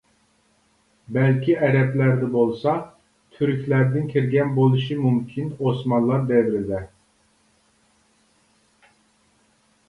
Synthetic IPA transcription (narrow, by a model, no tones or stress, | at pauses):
bɛlʲkʲʰiɛɾɛplæɾd̪ɛbolˠsɑ | t̪ʰyɾkʲlæɾd̪ɪnkʲʰiɾɡʲɛnbolˠuʃɯmumkʲʰinosmɑnlˠɑɾd̪ɛvɾid̪ɛ